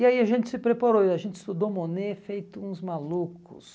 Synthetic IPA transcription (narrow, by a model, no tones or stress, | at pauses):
ɪaiaʒẽnt͡ʃ̪ɪ̥sɪpɾepaɾowɪaʒẽnt͡ʃ̪ɪst̪ud̪omonefejt̪ʊũzmalukʊ̰s